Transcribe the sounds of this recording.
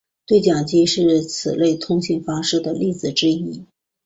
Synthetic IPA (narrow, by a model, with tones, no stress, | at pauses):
t̪we˥˩ɪt͡ɕjɑ˨˩ŋt͡ɕi˥ʂɻ̩˥˩t͡s̩ʰ˨˩le˥˩ɪt̪ʰʊ˥ŋɕi˥˩ŋfɑ˥ŋʂɻ̩˥˩d̪ə˩li˥˩d͡zɹ̩˨˩ʈ͡ʂɻ̩˥i˥